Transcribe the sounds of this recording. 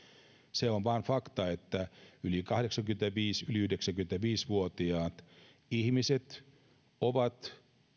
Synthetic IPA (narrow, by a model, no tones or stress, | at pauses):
seonʋɑːnfɑkt̪ɑet̪ːæylikɑhɾeksɑŋkymnĕt̪æʋiːsyliyhdeksæŋkyment̪æʋiːsʋuot̪iɑːt̪ | ihmiset̪ | oʋɑt̪